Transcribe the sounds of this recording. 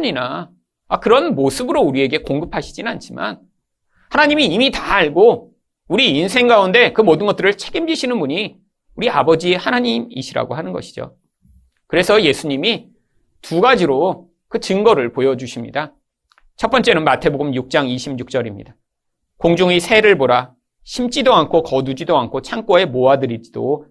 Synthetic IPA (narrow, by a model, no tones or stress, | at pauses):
ɲina | akɯɾʌnmosʰɯbɯɾouɾie̞ɡe̞koŋɡɯpʰaɕʰid͡ʑinant͡ɕʰima̰n | hanaɲimiːmitaːɭɡo | uɾiinsʰe̞ŋɡaunde̞kɯmʌdɯnɡʌt͈ɯɾɯɭt͡ɕʰe̞ɡimd͡ʑiɕʰinɯnbuɲi | uɾiabʌd͡ʑihanaɲimḭɕʰiɾa̰ɡo̰ɦanɯnɡʌ̰ɕʰi̥d͡ʑo̰ | kɯɾe̞sʰʌje̞sʰuɲimi | tuɡad͡ʑiɾo | kɯt͡ɕɯŋɡʌɾɯɭpojʌd͡ʑuɕʰimɲḭda | t͡ɕʰʌp͈ʌnt͡ɕ͈e̞nɯnmatʰe̞boɡɯmjuk̚t͡ɕ͈aŋiɕʰimjuk̚t͡ɕ͈ʌɾimɲḭda | koŋd͡ʑuŋisʰe̞ɾɯɭboɾa | ɕʰimt͡ɕ͈idoankʰokʌdud͡ʑidoankʰot͡ɕʰaŋk͈oe̞moadɯɾid͡ʑid̥o̰